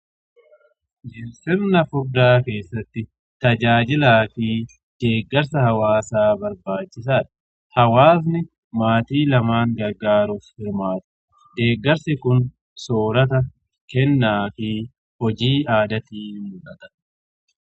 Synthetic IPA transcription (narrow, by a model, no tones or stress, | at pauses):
d͡ʒɪɾsɪɾnɐfʊd̪ːaːke̞ːsːɐt̪ːɪ | t̪ɐd͡ʒaːd͡ʒɪlaːfiː | d̪̥eːɡːɐɾsɐhɐwaːsaːbɐɾbaːt͡ʃːɪs̬aːᶑɐ̥ | hɐwaːs̬nɪ | maːt̪iːlɐmaːŋɡɐɾɡaːɾufhɪɾmaːt̪ɐ̥ | d̪eːɡːɐɾsɪkʊn | soːɾɐt̪̬ɐ | kɛnːaːfɪ | hɔd͡ʒiːaːd̪ɐt̪iːmʊlɐt̪ɐ̥